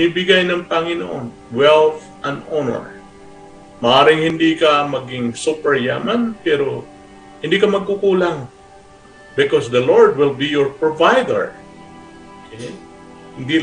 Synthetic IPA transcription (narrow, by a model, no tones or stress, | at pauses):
ibɪɡajnɐŋpɐŋɪno̰ʔo̰n | wɛlθ | ʔɐ̃nd̪onɛ̰ɹ | mɐʔaːɾɪŋhɪnd̪ikɐmɐɡɪŋsupɛɹjaːmɐnpɛɾo | hɪnd̪ikɐmɐɡ̚kukuːlaŋ | bɪkosd̪ɐloɹd̪̚wɪlbijɔɹpɹovajd̪ɛ̰ɹ | okɛj | hɪnd̪i